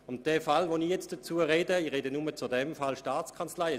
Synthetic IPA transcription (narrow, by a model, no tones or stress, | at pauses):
ʊmd̥ɛːfalvonijɛt͡sd̥ɐt͡suːəʁeːdəiʁedənʊmət͡sʊdɛmfalʃtaːt͡skʰant͡slaɪɛ